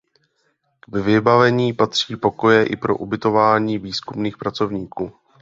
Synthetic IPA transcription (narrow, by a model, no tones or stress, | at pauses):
vvɪbavɛɲiːpat̪r̝̥iːpo̞ko̞jɛʔɪ̰pɾo̞ʔubɪt̪o̞vaːɲiːviːskumniːxpɾat͡so̞vɲiːkuː